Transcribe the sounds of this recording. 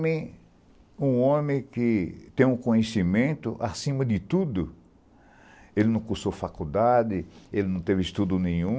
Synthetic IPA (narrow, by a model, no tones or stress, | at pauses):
mẽ | ũõmẽkɪt̪ẽj̃ũkõɲesimẽnt̪ʊʔa̰sĩmɐd̪ɪt̪ud̪ʊ | elɪnɐ̃w̃kusofakud̪ad̪ɪelɪnɐ̃w̃t̪evɪist̪ud̪ʊnẽj̃ũ